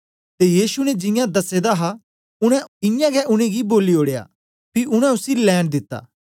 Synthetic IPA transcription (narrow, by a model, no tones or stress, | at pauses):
t̪ejiːsunɛd͡ʒɪ̃jãd̪ɐsed̪aɦa | ʊɽ̃ɛ̃ɪjãɡɛʔʊɽ̃ẽɡiboːlioːɽeja̰ː | pʰiʔʊɽ̃ɛ̃ʊsilɛːɽ̃d̪ɪt̪ːa̰ː